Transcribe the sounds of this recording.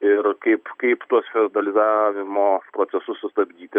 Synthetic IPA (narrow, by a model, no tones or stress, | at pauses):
ɪɾkɐɪpkɐɪpt̪uɔsfʲɪrd̪ɐlʲɪzaːʋʲɪmoːpɾoːt̪sʲɛsʊsːʊst̪ɐbʲd̪ʲiːt̪ʲɪ